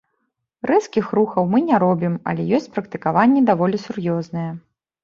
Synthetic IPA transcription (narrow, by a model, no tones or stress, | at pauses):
rɛskʲixruxɐwmɨnʲɛɾɔbʲimɐ̰lʲɛ̰jɔsʲt͡sʲpɾɐkt̪ɨkavanʲːɛd̪avɔlʲisurjɔznɐjɛ